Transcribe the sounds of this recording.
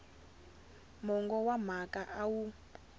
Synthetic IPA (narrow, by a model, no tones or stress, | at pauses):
mɔŋɡɔwam̤akʼaʔawu